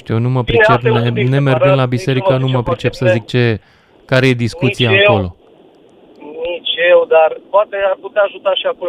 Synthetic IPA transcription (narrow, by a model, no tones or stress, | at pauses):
ʃt̪iuonuməpɾit͡ʃepnene̞merɡɨnlabise̞ɾikənuməpɾit͡ʃe̞psəzik̚t͡ʃe̞ | kaɾe̞je̞d̪iskut̪siaːko̞lo̞̰ | nit͡ʃewd̪arpoat̪earput̪aaʒut̪aʃiako